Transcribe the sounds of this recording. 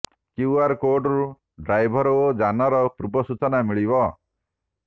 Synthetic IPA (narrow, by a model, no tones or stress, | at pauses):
kjuaɾkoɾɖɾu | ɖɾajbʱɔɾɔod͡ʒanɔɾɔpɾubɔsut͡ʃɔnamiɭibɔ